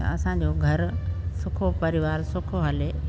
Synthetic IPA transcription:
ɐ̰ɐsãːɲ̆d͡ʑoːɡʱɐɾsʊkʰopɐɾɪʋaːɾsʊkʰoɦɐle

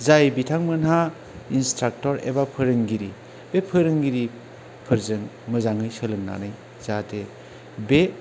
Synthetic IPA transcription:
zajbitʰaŋmɯnɦa | instɾak̚tɔɾḛbapʰɯɾɯŋɡiɾi | b̥epʰɯɾɯŋɡiɾi | pʰɯɾzɯŋ | mɯzaŋɯjsɯlɯŋna̰nɯj | zatʰe | be

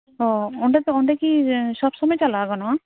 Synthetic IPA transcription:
ɦɔɔɳɖɛt̪ɔɳɖɛkisɔbsɔmɔjt͡ʃalaɡɔnɔ

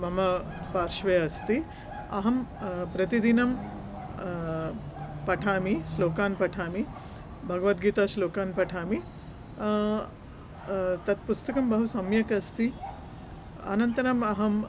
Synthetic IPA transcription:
mɐmɐ | paːɾʃʋeːɐst̪i | ɐɦɐmpɾɐt̪id̪inɐm | pɐʈʰaːmiʃloːkaːnpɐʈʰaːmi | bʱɐɡɐʋɐt̪̚ɡiːt̪aːʃloːkaːnpɐʈʰaːmi | t̪ɐt̪̚pust̪ɐkɐmbɐɦusɐmjɐkɐst̪i | ɐ̰nɐnt̪ɐɾɐmɐɦɐm

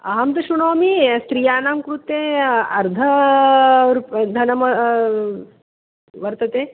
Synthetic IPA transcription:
ɐɦɐmt̪ɐʃuɳoːmist̪ɾijaːnaːmkɾut̪ːeːɐɾd̪ʱɐ | ɾupd̪ʱɐnɐmɐ | ʋɐɾt̪ɐt̪eː

